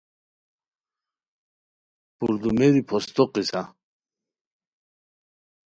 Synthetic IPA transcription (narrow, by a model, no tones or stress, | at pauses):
puɾd̪umeɾipʰɔst̪oqisa